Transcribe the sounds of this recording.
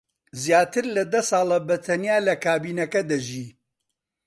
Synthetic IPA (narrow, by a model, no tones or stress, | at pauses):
zjaːt̪ɨɾlɐd̪ɐsɑːlˠɐbɐt̪ʰɐnjaːlɐkaːbiːnɐkɐd̪ɐʒiː